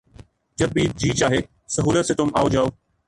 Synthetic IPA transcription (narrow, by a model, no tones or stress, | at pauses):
d͡ʒɐbiːd͡ʑiːt͡ʃaːɦeː | sɐɦuːlət̪seːt̪ʊmaːod͡ʒaːoː